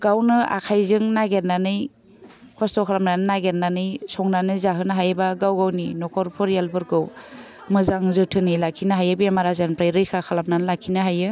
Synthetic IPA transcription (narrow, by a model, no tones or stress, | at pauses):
ɡawnɯa̰kʰajzɯŋnaɡeɾnanɯj | kʰɔstɔkʰalamnanɯnaɡeɾnanɯjsɔŋnanɯzaɦɯnɦajbaɡawɡawninɔkʰɔɾpʰɔɾijalbɯɾkɯw | mɯzaŋzɯtʰɯnilakʰinaɦajɯbiemaɾazanpɾajɾɯjkʰakʰalam̚nanɯlakʰinaɦajɯ